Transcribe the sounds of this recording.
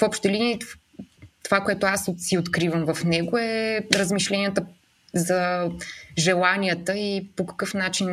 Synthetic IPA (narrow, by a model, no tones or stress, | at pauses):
fɔpʃt̪ɛlinii | t̪ovakoɛt̪oasot̪siot̪kɾivəmvɐfnɛɡoɛɾəzmiʃlɛniət̪ə | zə | ʒɛlˠaniət̪əipokɐ̥kɤfnat͡ʃin